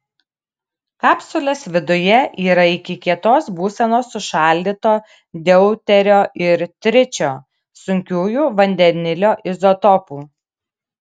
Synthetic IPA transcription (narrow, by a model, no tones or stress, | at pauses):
kɑːpsʊlʲoːsʋʲɪd̪ʊjɛʔiːɾɐɪkʲɪkʲiɛt̪oːsbuːsʲɛnoːsʊʃɑˑlʲd̪ʲit̪oː | d̪ʲɛʊt̪ʲɛɾʲoːʔɪɾt̪ʲɾʲɪt͡ʃʲoː | sʊŋʲkʲuːjuːʋɐnʲd̪ʲɛnʲɪlʲoːʔɪzɔt̪ɔpuː